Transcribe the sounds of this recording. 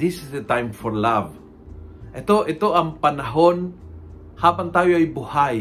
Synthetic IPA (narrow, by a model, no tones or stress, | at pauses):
ɪsɪsd̪ət̪ajmfɔɹlav | ʔɛt̪oʔɪt̪oɐŋpɐnɐɦon | haːpant̪aːjoajbʊhaj